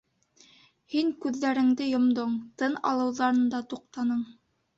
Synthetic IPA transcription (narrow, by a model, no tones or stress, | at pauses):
hiŋkʉðːæɾɘ̆ŋd̪ɘjŏmd̪oɴt̪ɤnɑ̰lˠɤ̆wðɑɾɤ̆nd̪ɑt̪uq̚t̪ɑnɤɴ